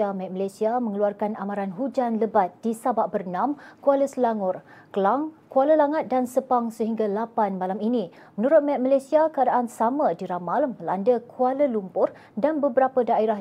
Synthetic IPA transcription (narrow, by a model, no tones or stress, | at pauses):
amɛt̪̚malasiamə̃ŋəluarkanamaɾanɦud͡ʒanləbat̪̚disabaʔ̚bərnãmkualəsəlaŋʊr | kəlaŋkualəlaŋat̪̚dansəpaŋsəɦiŋɡalapanmalaminĩ | mənuɾʊt̪̚mɛt̪̚malajsiakəadaʔansamə̃diɾamalməlandəkʰualəlumpʊr | danbəbəɾapədaiɾah